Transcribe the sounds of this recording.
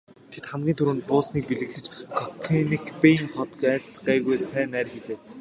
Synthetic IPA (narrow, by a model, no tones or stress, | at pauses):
t̪ʰet̪χæmɡʲiːnt̪ʰuɾɘ̆ːnpʊːsniːk̚piɮɘ̆ɣɮɘ̆t͡ɕkʰɔkʰenikpeiŋχɔt̪kæːɮɢæːɣujsæːnæːrxeɮeː